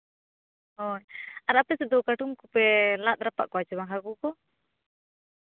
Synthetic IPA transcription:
ɔjaɾapɛsɛd̪ɔkaʈumkupɛlat̪̚ɾapa̰ʔkɔat͡ʃɛβaŋɦaɡukɔ

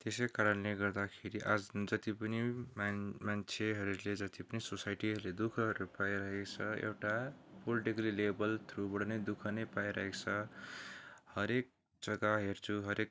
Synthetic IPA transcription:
t̪esekaɾʌnleɡʌrd̪akʰeɾiʔad͡zd͡zʌt̪ipʌni | mant͡sʰeɦʌɾuled͡zʌt̪ipʌnisosajʈiɦʌɾuled̪ukʰʌɦʌɾupajɾʌɦekt͡sʰʌḛwʈapoliʈiklilebʌlt̪ʰrubʌɽnʌjd̪ukʰʌnʌjpajɾʌɦekt͡sʰʌ | hʌɾek̚ | d͡zʌɡaɦert͡sʰuɦʌɾek̚

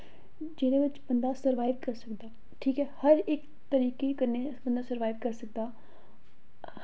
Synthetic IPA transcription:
d͡ʒɪnẽːʋɪt͡ʃbənd̪aːsəɾʋaːɪʋkəɾsəkd̪aː | ʈʰiːkɦɛːhəɾɪk | t̪əɾiːkekəɾnebənd̪aːsəɾʋaːɪʋkəɾsək̚d̪aː

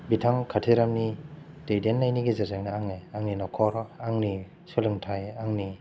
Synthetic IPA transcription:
bitʰaŋkʰatʰeɾamni | tejdenːajniɡezazeŋnaaŋeaŋninɔkʰɔɾaŋni | sulɯŋtʰajaŋni

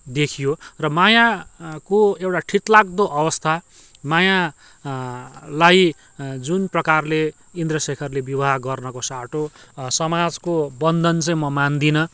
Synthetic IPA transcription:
d̪ekʰijorʌmajakoewʈaʈʰit̪laɡ̚d̪oʔʌwʌst̪ʰa | maja | laj | d͡zunprʌkarle | ind̪rʌsekʰʌrlebjibʌɦaɡʌrnʌkosaʈosʌmad͡zkobʌnd̪ʱʌnt͡sʌ̃j̃mʌmand̪inʌ

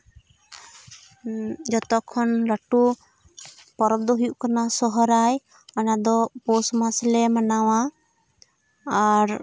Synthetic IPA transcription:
d͡ʒɔt̪ɔkʰːɔnɾaʈu | pɔɾɔb̚d̪ɔɦujuʔkanasɔɦɔɾaj | anad̪ɔpɔsmaslɛmanawa | aɾ

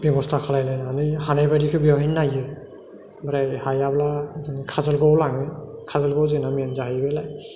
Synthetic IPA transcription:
bebɔstʰakʰalajlajnanɯjhanajbaɾikʰɯbiɔɦajnajɯ | bɾajhajablazɯŋɯkʰazɯlɡɔwlaŋɯkʰazɯlɡɔwzɯnamenzaɦajbɯlaj

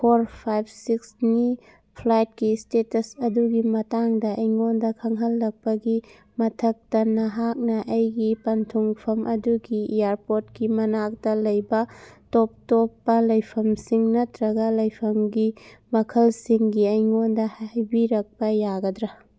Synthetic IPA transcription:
pʰoɾpʰajb̚ʰsiksni | pʰlajt̚kistetɐsɐduɡimɐtaŋdɐʔɐjŋondɐkʰɐŋɦɐlːɐk̚pɐɡi | mɐtʰɐk̚tɐnɐɦak̚nɐʔɐjɡipɐntʰuŋpʰɐmʔɐduɡiijaɾpotkimɐnak̚dɐlɐjbɐtop̚topːɐlɐjpʰɐmsiŋnɐtɾɐɡɐlɐjpʰɐmɡimɐkʰɐlsiŋɡiɐjŋondɐhajbiɾɐk̚pɐjaɡɐdɾɐ

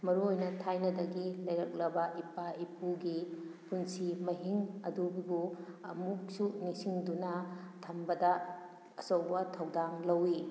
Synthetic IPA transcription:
mɐɾuojnɐtʰajnɐdɐɡilɐjɾɐk̚lɐbɐʔipaipuɡipunsimɐɦiŋɐdubibuɐmuk̚sunisiŋdunɐtʰɐmbɐdɐ | ɐsɐwbɐtʰɐwdaŋlɐwi

